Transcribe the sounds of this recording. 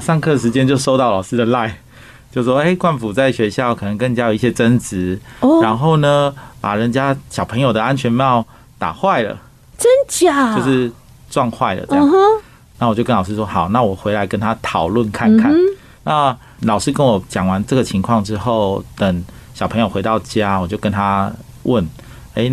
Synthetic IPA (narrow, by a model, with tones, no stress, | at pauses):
ʂɑ˥˧ŋkʰɤ˥˩˨ʂɻ̩˧˥t͡ɕjɛ˥˦nt͡ɕjo˥˧ʊʂo˥ʊt̪ɑ˥˩ʊlɑ˨˩ʊʂ̩˥d̪ə˨la˥˩ɪ | t͡ɕjo˥˧ʊwɔ˥e˥˩ɪkwa˥˩nfu˨˩t͡sa˥˩ɪɕɥɛ˧˥ɕjɑ˥˩ʊkʰɤ˨˩nə˧˦ŋkə˥˧ŋt͡ɕja˥jo˨˩ʊ˦i˥˩ɕjɛ˥ʈ͡ʂə˦nt͡sɻ̩˧˥ɻa˧˦˥nxo˥˩ʊnə˩pa̰˨˩ɻə˧˦nt͡ɕja˦˥ɕjɑ˨˩ʊpʰə˧˥ŋjo˨˩d̪ə˩a˦˥nt͡ɕʰɥɛ˧˥nm˧jɑ˥˩ʊ | t̪a̰˨˩xwa˥˩ɪlə̰˩ | ʈ͡ʂə˥nt͡ɕa˨˩jo˧ʂɻ̩˥˨ | ʈ͡ʂwɑ˥˧ŋxwa˥˩ɪlə̰˩ʈ͡ʂə˥˧j | na˥˩wɔ˨˩t͡ɕjo˥˧kə˦˥nlɑ˨˩ʂ̩˥˧ʂwɔ˥xɑ˨˩ʊna˥˨wɔ˨˩xwe˧˥ɪla˧˥ɪkə˥nt̪ʰa˦˥t̪ʰɑ˨˩ʊlwə˥˨nkʰa˥˧nkʰa˥˨n | na˥˨ | lɑ˨˩ʊʂɻ̩˥˧kə˦nwɔ˨˩t͡ɕjɑ˨˩ŋwa˧˦nʈ͡ʂə˥˩ɡə˩t͡ɕʰi˧˥ŋkʰwɑ˥˨ŋʈ͡ʂɻ̩˥xo˥˨˩ʊt̪ə˨˩ŋɕɑ˨˩pʰɤ˧˦ŋjo˨˩xwe˧˥ɪt̪ɑ˥˨˩ʊt͡ɕja˦wɔ˨˩t͡ɕjo˥˧ʊkə˦˥nt̪ʰa˦ | wə˥˩n | e˥ɪ